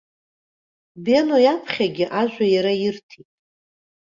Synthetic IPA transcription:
benojapʰχʲaɡʲɪʔaʒᶣʷajaɾajɪrtʰitʼ

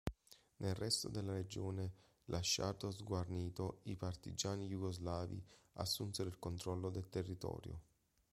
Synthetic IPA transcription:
nʔelrɛst̪o̰d̪elːaɾed͡ʒoːne | lʔaʃːa̰d̪ozɡwarniːt̪oipart̪ḭd͡ʒaːnijuɡozlaːvḭa̰sːunt̪seɾilkont̪ɾɔlːod̪elt̪erːit̪ɔ̰ːɾjo̰

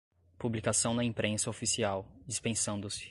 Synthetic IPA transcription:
publikasɐ̃w̃nd̪ɐĩpɾẽsɐofisiawd͡ʒispẽsɐ̃nd̪ʊsɪ̥

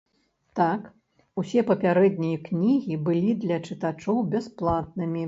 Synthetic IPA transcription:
t̪ak | usʲɛpɐpʲaɾɛd̪nʲijɐknʲiɣʲibɨlʲid̪lʲɐt͡ʂɨt̪at͡ʂɔwbʲɛsplˠat̪̚nɨmʲi

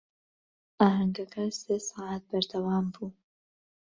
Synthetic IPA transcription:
ʔaːɦɐŋɡɐkʰɐseːsɑːʕaːt̪̚bɐɾd̪ɐwaːmbuː

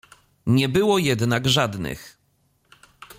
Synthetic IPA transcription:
ɲɛbɘwɔjɛd̪naɡʐad̪nɘ̰x

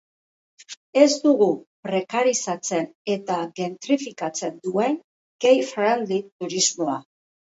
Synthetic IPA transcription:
e̞zd̪uɣupɾe̞kaɾisat͡se̞ne̞t̪aɣe̞nt̪ɾifikat͡se̞nd̪ue̞ŋ | ɡ̥e̞jfɾand̪it̪uɾizmo̞a

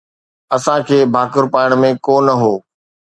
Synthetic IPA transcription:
ɐsãkʰeːbʱaːkəɾpaːɪɽ̃mẽkoːnəɦoː

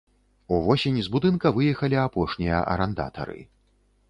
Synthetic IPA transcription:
uvɔsʲenʲizbud̪ɨnkɐvɨjɛxɐlʲiapɔʂnʲijɐ̰ʔɐ̰ɾɛnd̪a̰t̪ɐ̰ɾɨ̰

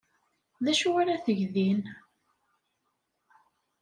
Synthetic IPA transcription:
ðæʃuwaɾaθəʝðin

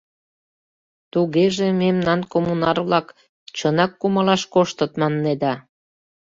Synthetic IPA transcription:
t̪uɣeʒememnɑnkomunɑrβlɑk | t͡ɕənɑkːumɤlɑʃkoʃt̪ət̪mɑnːed̪ɑ

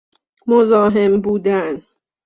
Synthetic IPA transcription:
mozɒːɦe̞mbuːd̪æn

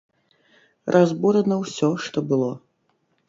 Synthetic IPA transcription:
rʔazbuɾɐnɐwsʲɔʂt̪ɔbɨlˠɔ

